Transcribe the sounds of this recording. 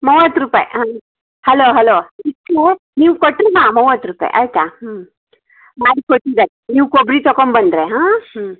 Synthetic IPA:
mɔʋɐt̪ːɾuːpa̰ːj̰ɦaː | hɐloːɦɐloːikːe | niːʋukoʈːɾimaːmɔʋɐt̪ːɾuːpa̰ːj̰ʔa̰jt̪aɦ | maːɽikoʈːid̪aɾeniːʋkobɽit̪ɔkombɐnd̪ɾeɦaːɦ

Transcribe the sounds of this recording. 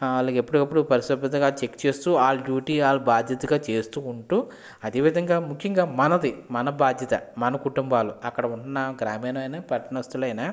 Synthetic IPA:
ɐlaːɡe̞pːuɽukɐpːuɽupɐɾisɐbɐt̪ɐŋɡaːt͡ʃe̞kt͡ʃe̞ːst̪uːaːluɖjuːʈiːaːlːubaːd̪ʱjɐt̪ɐɡaːt͡ʃe̞ːst̪uːɳʈuː | ɐd̪eːʋid̪ʱɐŋɡaːmukʰjɐŋɡaːmɐnɐd̪imɐnɐbaːd̪ʱjɐt̪ɐ̰mɐnɐkuʈumbaːluɐkːɐɽɐuɳnːaɡɾaːmeːnɐɐjnaːpɐɾɐʈɐnɐʋɐst̪ulɐjnaː

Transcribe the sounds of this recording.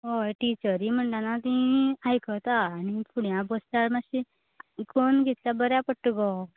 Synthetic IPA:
ɦoʈit͡ɕəɾim̤əɳʈanat̪ĩajkət̪aːnipuɽjãbosʈaɾmaɕi | konɡet̪ljabəɾjapəʈːuɡɔ

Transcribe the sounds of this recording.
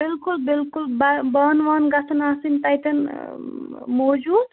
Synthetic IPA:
bɪlkulbilkulbabaːnʋaːnɡɐsʰɐnaːsinʈ̪ɐjt̪ɐn | moːd͡ʒuːd̪

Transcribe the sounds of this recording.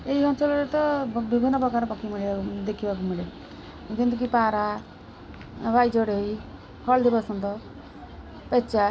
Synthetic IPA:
eiɔnsɔlɔɾet̪ɔbibʱinːɔpɾɔkaɾpɔkimiɭiad̪ekʰibak̬umiɭe | kĩnt̪̬uk̬ipaɾa | ʋajd͡ʒɔɽei | hɔɭd̪ibasɔnd̪ɔ | pɛt͡ʃa

